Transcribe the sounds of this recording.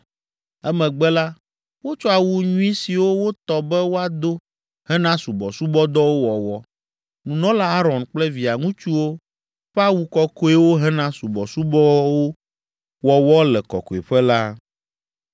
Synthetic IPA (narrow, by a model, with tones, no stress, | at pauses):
ɛ˦mɛ̃˨ɡ͡bɛ˦la˦ | wo˦t͡ʃɔ˦a˨wu˦ɲũ˦i˦si˨wo˦wo˦t̪ɔ˨bɛ˦wo˦a˨d̪o˦ | hɛ˦nã˦su˨bɔ˨su˦bɔ˦d̪ɔ˦wo˦wɔ˨wɔ˦ | nũ˨nɔ̃˦la˦a˦ɾɔ̃˨nk͡plɛ˦vi˨a˨ŋũ˦t͡ʃu˦wo˦ | ɸɛ˦a˦wu˦kɔ˨ko˦e˦wo˦ɦɛ˦nã˦su˨bɔ˨su˦bɔ˦wo˦ | wɔ˨wɔ˦lɛ˨kɔ̰˨ko˨e˨ɸɛ˦la˦